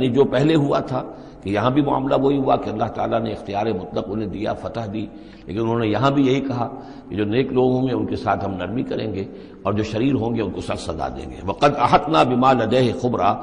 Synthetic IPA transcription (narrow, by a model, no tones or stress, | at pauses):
nid͡ʒoːpɛɦleɦuat̪ʰaː | kejɐɦãbʱimʊa̰ːmlaʋoɦiɦuakeɐlːaɦt̪a̰ːlaneɪxt̪ijaːɾemʊt̪ləqʊnɦẽd̪ija̰fɐt̪əɦd̪iː | lḛːkɪnʊnɦõːnejɐɦãbʱijɐɦikɐɦa | ked͡ʒoːneːkloːɡɦõːŋɡeʊnkesa̰ːt̪ʰɦɐmnɐɾmikɐɾḛ̃ːŋɡeː | ɔːɾd͡ʒoːʃɐɾiːɾɦõːŋɡeʊnkosɐsɐza̰d̪ḛ̃ːŋɡḛːʋɐqɐd̪ɐħɐt̪naːbɪmaːlɐd̪ɛːɦxʊbɾaː